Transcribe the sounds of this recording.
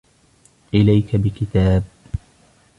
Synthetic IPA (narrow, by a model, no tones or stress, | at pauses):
ʔɪlajkabɪkɪt̪aːb̚